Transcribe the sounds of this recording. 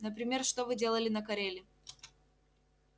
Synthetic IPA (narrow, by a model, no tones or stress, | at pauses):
nəpɾʲɪmʲe̞rʂt̪o̞vɨdʲelˠəlʲɪnəkɐɾʲelʲɪ